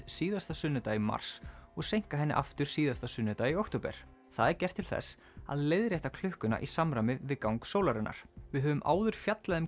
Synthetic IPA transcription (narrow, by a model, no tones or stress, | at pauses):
siːðast̪asʏnːɪt̪aːjima̰r̥sɔɣsejŋ̥kaɦɛnːɪ̰ʔaft̪ʏɾ̥siːðast̪asʏnːʏt̪aːjiowkt̪owpɛ̰ɾ̥ | θaðɛɾ̥cɛr̥t̪ʰːɪlθɛ̰s | a̰ðlejðɾjajht̪akʰl̥ʏhkʏna̰ʔisamɾaːmɪvɪðkawŋksoːwlaɾɛnːa̰ɾ̥vɪðɦœvʏmʔa̰ːwðʏɾ̥fjat̪laðɪm